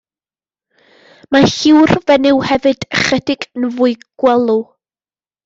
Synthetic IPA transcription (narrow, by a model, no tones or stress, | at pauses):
mahɪwrvɛnɪwhɛvɨdəχɛdɪɡənvʊɨɡ̥wɛlˠu